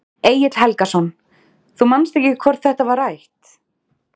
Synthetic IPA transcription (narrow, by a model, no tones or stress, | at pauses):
eːjɪt̪l̥hɛlkasɔn | θumanst̪ɛhcɪkʰvɔɾð̥θɛht̪avaɾajht̪